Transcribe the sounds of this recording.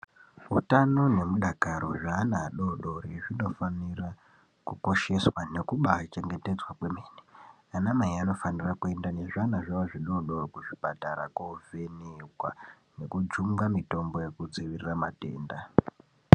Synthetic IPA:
utano̞ne̞muɗakaɾoʐaːnaɗo̞ɗo̞riʐino̞fanira | kuko̞ʃe̞swane̞kuɓat͡ʃe̞ŋɡe̞te̞d͡zwakwe̞meːni̥ | anamaiano̞fanirakue̞ndane̞ʐanaʐaʋaʐiɗo̞ɗo̞rkuʐipataɾa̰kwoveniwa | ne̞kud͡ʒuŋɡamito̞mbo̞je̞kud͡ziʋiriramate̞̰ːnda

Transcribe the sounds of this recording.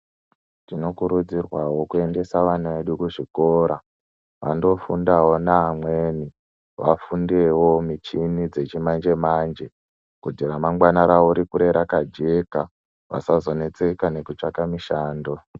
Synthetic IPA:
t͡ʃino̞kuɾud͡zirwawo̞kue̞nde̞saʋanuʋeɗukuʐiko̞ːɾa | ʋando̞fundawo̞naːmweːni | ʋafundewomit͡ʃinid͡ze̞t͡ʃimand͡ʒe̞mand͡ʒe̞ | kudiramaŋɡwanaɾaoɾikuɾe̞ɾakad͡ʒe̞ka | ʋa̰sazo̞ne̞t͡se̞kane̞kut͡ʂakamiʃaːndo̞

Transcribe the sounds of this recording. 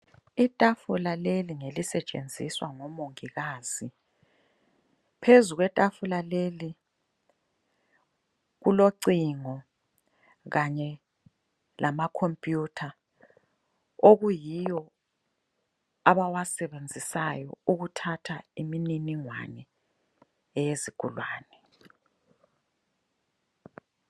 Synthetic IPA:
itʼafulaleliŋelisɛt͡ʃʼḛnd͡zʱiswaŋɔmoŋiɣaːz̥i | pʰezuɣwɛtʼafulaleli | ɣuloǀiŋɔ | ɣaɲɛ | lʔamakʰompʼjutʰa | oɣujijɔ | aβawasɛβend͡zʱisajɔ̰uɣutʰatʰaimininiŋwa̰nɛ | ɛjezikʰʼṵlwaːnɛ

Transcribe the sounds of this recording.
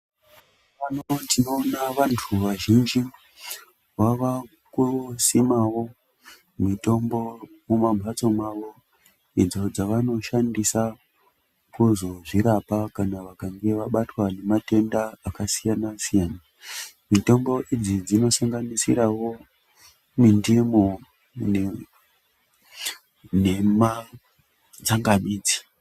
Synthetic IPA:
panodino̞ːnaʋantʰuʋaʒind͡ʒi | waʋa | kusimawo̞ | mito̞mbo̞mumambʱat͡so̞maʋo̞ | id͡zo̞d͡zaʋano̞ʃandisa | kuzo̞ʐiɾapakanaʋakaŋɡe̞ʋaɓatwane̞mate̞ndaːkasijanasijaːna | mito̞mbo̞ʔid͡zid͡zino̞saŋɡanisiɾawo̞ | mindimu | n | ne̞ma | d͡zaŋɡamiːd͡zi̥

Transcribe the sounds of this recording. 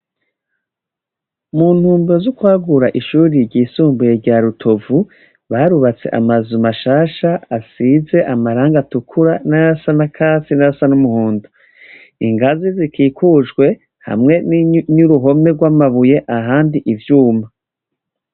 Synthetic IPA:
mun̥huːmbozokwaːɡuɾaʔiʃuːɾiɾɟiːsuːmbuje̞ɾɟaɾutʰo̞vu | βaɾuβat͡se̞̰ʔa̰mazumaʃaːʃaasize̞ʔamaɾaːŋɡatukʰuɾanaɾasanakʰaːsinaɾasanumuhuːndu | iŋɡazizikʰiːkʰuːʒɡwe̞ | ha̰mŋe̞nɲuɾuɦo̞me̞ɡwamaβuje̞ʔaɦaːndiʔivjuːma

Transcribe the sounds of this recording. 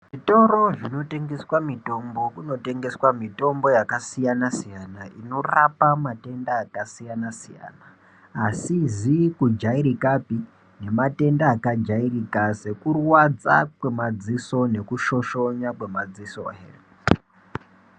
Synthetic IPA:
ʐito̞ɾo̞ʐino̞te̞ŋɡe̞swamito̞mbo̞kuno̞te̞ŋɡe̞swamito̞mbo̞jakasijanasijanaʔino̞rapamate̞ndaːkasijanasija̰ːnaː | sizikud͡ʒaiɾikapi | ne̞mate̞ndaːkad͡ʒairikase̞kurwad͡za̰kwe̞mad͡ziso̞ne̞kuʃo̞ʃo̞ɲakwe̞mad͡ziso̰ɦḛr

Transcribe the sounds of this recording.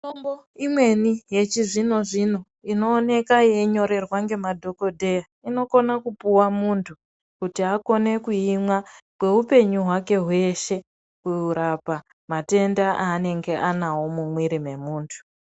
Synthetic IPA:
tombo̞ | imwe̞nije̞t͡ʃizino̞ʐino̞ | ino̞ːne̞kajeɲo̞ɾe̞rwaŋɡe̞madʱo̞ko̞dʱe̞ja | ino̞ko̞nakupuwamuntʰu | kutiako̞ne̞kuimwakwe̞upe̞ɲuɦwake̞ɦwe̞ʃe̞ | kuuɾapa | mate̞ndaʔaːne̞ŋɡe̞ʔanawo̞mumwiɾime̞muːntʰu̥

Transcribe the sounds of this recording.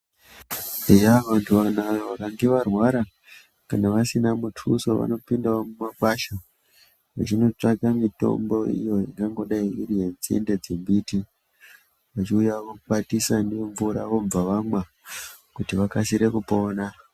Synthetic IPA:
ejaʋantʰuʋanaʋeʋakaŋɡe̞ʋarwaɾa | kanaʋasinamutʰuso̞ʋa̰no̞pindaomumakwaʃa | ʋa̰t͡ʃino̞t͡ʂaɡʱamito̞̰mbo̞ḭjo̞ja̰kaŋɡo̞ɗaiʋirienziḛnde̞d͡zembiti | ʋat͡ʃiujaʋokatisandeɱvuɾa̰ʋo̞ɱvaʋamwa | kutiʋakasiɾe̞kupo̞ːna

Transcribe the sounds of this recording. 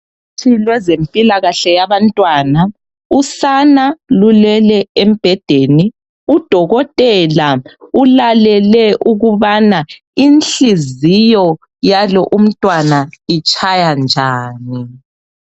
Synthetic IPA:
tʰilwɛzempʼilaɣaɬɛjaβantʼwaːna | usanalulɛlɛem̩b̥ʱɛd̥ʱeni | ud̥ʱɔɣɔtʼɛlaulalɛlɛʔuɣuβana | inɬizijɔ | jalɔʔum̩tʼwanait͡ʃʼʰajand͡ʒʱaːni

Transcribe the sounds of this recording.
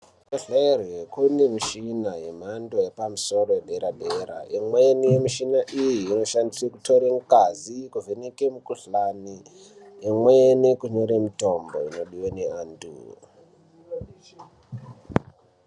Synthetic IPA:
eɮaerjekunemiʃinaje̞m̤ando̞je̞pamuso̞ro̞jebʱe̞ɾabʱeɾa̰ʔimwenijemiʃinaʔijiːno̞ʃandisekutoɾeŋkazikuvʱenekemukuɬani | emwenikuɲoɾemito̞mbo̞̰ḭno̞ɗiweneandṵ

